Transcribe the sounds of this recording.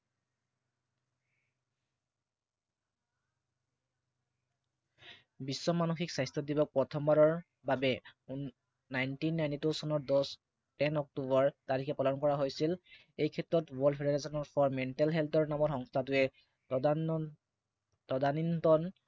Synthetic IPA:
bisːɔmanoxiksajstɔdibɔk̚pɹɔtʰɔmbaɹɔɹ | babɛ | najntinːajntitosɔnɔɹdɔs | tɛnɔk̚tubɔɹtaɹikʰɛpalɔnkɔɹaɦojsil | ejkʰɛtɹɔtbɔlpʰedeɹesɔnɔɹfʰɔɹmɛntɛlɦɛltɔɹnamɔtxɔŋstʰatʊɛ | tɔdanintɔn

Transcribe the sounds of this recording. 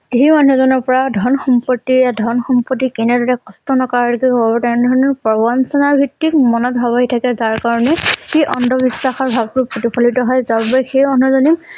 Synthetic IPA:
ziɦimanɛzɔnɔɹpɔɹadʱɔnxɔmpɔtːiɹadʱɔnxɔmpɔtːikɛnɛdɔɹɛkɔstɔnɔkɔɹadɔkɛkɔbbɔtɛndʱɔɹnɔɹpɔbansɔnaɹbʱitːikmɔnɔt̚bʱabaɦitʰakɛzaɹkaɹɔnɛxejʔɔndʱɔbisːaxɔɹbʱab̚tʊɹpotipʰɔlitɔɦɔjzabbɔjxejmɔn̤uzɔnim

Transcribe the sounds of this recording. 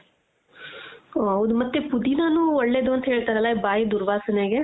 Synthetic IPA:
oʊd̪mət̪ːeːpʊd̪iːnãːnũːʋəɽːeːd̪õnt̪ʰeːɭt̪əɾəlaːibaːiːd̪ʊɾʋaːsəneːɡeː

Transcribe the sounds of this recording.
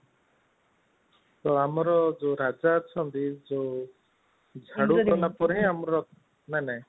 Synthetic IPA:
t̪ɔamɔɾɔd͡ʒoɾad͡ʒaːt͡ʃʰɔnt̪id͡ʒo | d͡ʒʱaɽukɔnapɔɾɦĩamɔɾɔ | nanɛ

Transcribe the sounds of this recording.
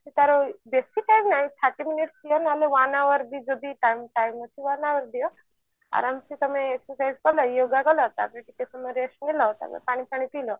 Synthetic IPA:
sit̪aɾobesiʈajmnaːĩt̪ʰaʈiminiʈsijɔnaleʋanaʋəɾd̪id͡ʒod̪iʈajmʈajmɐsʰiʋanaʋəɾd̪ijɔ | a̰ɾamsit̪ɐmẽeksəɾsajzkɔlɔjoɡakɔlɔt̪at̪ɾeʈik̪et̪ɐmɐɾeʃnilɔt̪a̰mḛpaːɽ̃ipaɽ̃it̪ilɔ

